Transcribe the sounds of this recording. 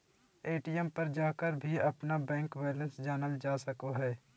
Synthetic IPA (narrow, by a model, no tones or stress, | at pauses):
eːʈijɛmpɐɾd͡ʒaːkəɾbʱiɐpnabɛ̃ːŋkwɛːlə̃nsd͡ʒaːnəld͡ʒaːsəkoɦɛː